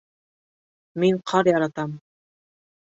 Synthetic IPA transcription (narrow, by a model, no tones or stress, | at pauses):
miɴqʰɑɾjɑɾɑt̪ɑm